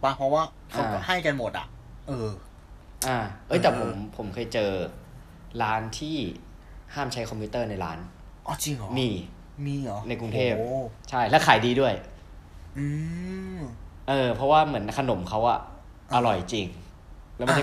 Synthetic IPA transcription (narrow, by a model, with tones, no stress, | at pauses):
ba˧˥pʰɔ˦˥waː˥˩ | kʰa˧˩ha˥˩jka˧nmo˨˩t̪̚ʔa̰˨˩ʔ | ʔɤː˧ | ʔaː˧˩ʔɤː˦˥˩jt̪ɛː˨˩pʰo˩˦m˦mpʰo˩˦mkʰɤː˧jt͡ɕɤː˧ | ɾaː˦˥nt̪ʰiː˥˩ | haː˥˩mt͡ɕʰa˦˥jkʰɔ˧mʰpʰuː˦˥t̪ɤː˥˩na˧jɾa̰ː˦˥n | ʔɔ˧˩t͡ɕi˧ŋɔ˨˦miː˧ | miː˧ɔ˨˩˦na˧jku˧ŋt̪ʰeː˥˩pt͡ɕʰa˥˩jlɛ˦˥wkʰaː˩˦jdiː˧du˥˩əj | ʔɯː˧ | ʔɤː˧pʰɔ˦˥waː˥˩mɯ˩˦ənkʰa˧no˩˦mkʰa˦˥wʔa˨˩ | ʔʔa˧ɾɔ˨˩jt͡ɕi˧ŋ | lɛ˦˥wma˥˩˥